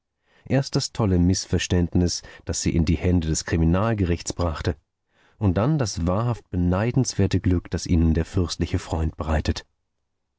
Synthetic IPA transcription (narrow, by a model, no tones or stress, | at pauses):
ʔeːɐst̚d̥astʰɔləmɪsfɛɐʃtɛntnɪsd̥asz̥ḭːʔɪndiːhɛndədɛskʁ̥iminaːlɡəʁɪçt͡sb̥ʁaχtə | ʔʊnt̚d̥andasv̥aːɐɦaft̚b̥ənaɪdn̩sv̥eːɐtəɡlʏkd̥asʔiːnəndeːɐfʏɐstlɪçəfʁ̥ɔʏnt̚b̥əʁaɪtət